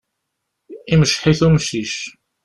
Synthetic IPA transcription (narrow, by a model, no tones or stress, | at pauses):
iməʃħiθumʃiʃ